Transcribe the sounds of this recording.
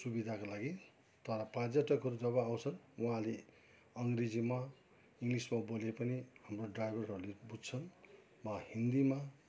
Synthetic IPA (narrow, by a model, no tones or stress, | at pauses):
subid̪ʱakolaɡi | t̪ʌɾʌpad͡zʌʈʌkɦʌɾud͡zʌβʌaw̃t͡sʰʌnwuɦãle | ʌŋɡred͡zima | iŋɡlismabolepʌnihamroɖrajbʱʌrɦʌɾulebud͡zt͡sʰʌn | wahind̪ima